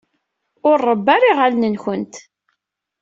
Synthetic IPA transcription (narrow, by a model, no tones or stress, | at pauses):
ʊɾːəbːaɾiʁalnənçənt̪